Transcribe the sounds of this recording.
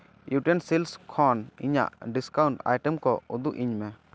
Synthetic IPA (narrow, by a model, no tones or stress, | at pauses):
juʈɛnsilskʰɔnḭɲa̰ʔɖiskawɳʈa̰jʈɛmkɔud̪uʔiɲmɛ